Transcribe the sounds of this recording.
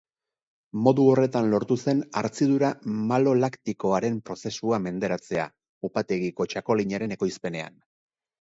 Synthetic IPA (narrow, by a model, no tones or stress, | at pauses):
mo̞ðuo̞re̞t̪anlo̞ɾt̪use̞na̰ɾt͡siðuɾamalo̞lakt̪iko̞aɾe̞mpɾo̞se̞suame̞nd̪e̞ɾat͡se̞a̰ | upat̪e̞ɣiko̞t͡ʃako̞liɲaɾe̞ne̞ko̞jspe̞ne̞a̰n